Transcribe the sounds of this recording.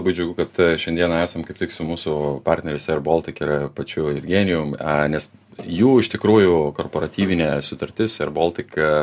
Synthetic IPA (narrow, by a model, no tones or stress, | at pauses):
ɐbɐɪd͡ʒʊɡʲʊkɐt̪ʃʲɛnʲd̪ʲiɛnɐæːsɐmkɐɪpt̪ʲɪksʊmuːsʊpɑɾʲt̪ʲnʲɛɾʲɪsʲɛɐrboːlˠt̪ʲɪkɪɾpɐt͡ʃʲʊɪvʲɡʲiːnʲɪjʊmnʲɛs | juːɪʃt̪ʲɪkɾuːjʊkoːrpoːɾɐt̪ʲiːʋʲɪnʲɛsʊt̪ɐɾʲt̪ʲɪsɐrboːlʲˠt̪ʲɪk